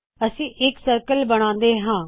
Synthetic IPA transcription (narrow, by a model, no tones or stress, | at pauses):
əsĩːʔɪksəɾkəlbəɽ̃ãːnd̪eːɦãː